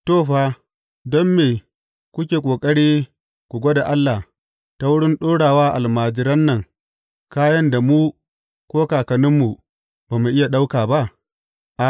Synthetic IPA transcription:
toː˦˨ɸaː˦ | dɔ˦mːeː˨ | kʷʊ˦kʲeː˨kʷʼoː˨kʼɐ˦ɽiː˦ | kʷu˨ɡʷo˦da˨ʔa˦lːa˨h | ta˦wʊ˦ɽɪ˦nɗoː˦ɽaː˨waː˦ʔa˨lmaː˨d͡ʒɪ˦ɾɐ˦nːɐ˨ŋ | kaː˦jɐ˦nda˨mu˦ | kʷoː˦kaː˨kɐ˨nɪ˦mːu˨ | baː˨mu˨ʔɪ˦ja˨ɗa˦wkaː˨ba˦ʔ | ʔa˨

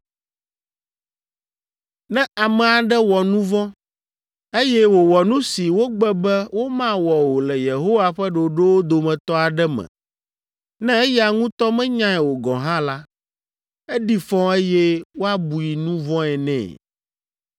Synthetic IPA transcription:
nɛ̃˦a˨mɛ̃˨a˨ɖɛ˦wɔ˨nũ˦vɔ̃˦ | e˦jɛ˦wo˨wɔ˨nũ˦si˨wo˦ɡ͡bɛ˦bɛ˦wo˦mã˦wɔ˨wo˨lɛ˨je˨ɦo˦wa˦ɸɛ˦ɖo˨ɖe˦wo˦d̪o˨mɛ̃˨t̪ɔ˦a˨ɖɛ˦mɛ̰̃˨ | nɛ̃˦e˦jɛ˦a˨ŋũ˦t̪ɔ˦mɛ̃˦ɲã˦ɛ˨wo˨ɡɔ̰̃˨ɦã˦la˦ | ɛ˦ɖi˦fɔ̃˦e˦jɛ˦wo˦a˦bu˨ji˨nũ˦vɔ̃˦ɛ˨nɛ̰̃ː˨

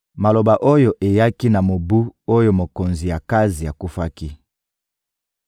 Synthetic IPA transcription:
ma˨lo˨ba˨ʔo˦jo˦ʔe˨ja˦ki˦na˨mo˨bu˦o˦jo˦mo˨ko˨nzi˨ja˨ka˦zi˨a˨ku˦fa˦ki˦

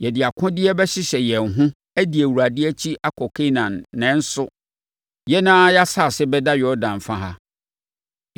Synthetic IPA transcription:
jɛ˨dɪ˨a˨kʰʊ̃˦dɪ˦ɛ˦bɛ˦ɕɪ˦ɕɛ˨jɛ̃˨n̩˨ɦʊ̃˦ | æ˦di˨æ˨wu˨ɾa˨dɪ˦æ˦t͡ɕʰi˦ʔa˦kʰɔ˨kʰe˦nã˨nːɛ̃˨˦n̩˦sʊ˦ | jɛ˦nãː˦ja˦sa˦˨sɛ˦bɛ˦da˦jɔ˦dã˨n˨fã˨ɦa˦

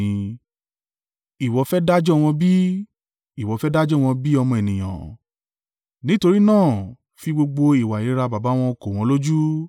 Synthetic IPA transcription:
i˨wɔ˨˧˦fɛ˦da˦d͡ʒɔ˦˧w̃ɔ̃˧bi˦ | i˨wɔ˨˦fɛ˦da˦d͡ʒɔ˦w̃ɔ̃˧bi˦ɔ˧mɔ̃˧e˨nĩ˨j̃ã̰˨ | nĩ˨˦to˧ɾi˦nãː˦˨ | fi˧ɡ͡bo˧ɡ͡bo˧i˨wa˨ji˨˦ɾa˧ba˨ba˨˦w̃ɔ̃˧ko˨w̃ɔ̃˧˦lo˦d͡ʒu˦

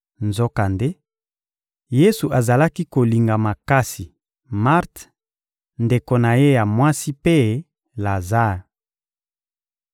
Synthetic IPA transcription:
nzo˦ka˨nde˦ | je˦su˨ʔa˨za˨la˦ki˦ko˨li˨ŋɡa˨ma˨ka˦si˨ | ma˦ʁt | nde˨ko˨na˨je˦ja˨mwa˦si˦pe˦ | la˨za˦˨

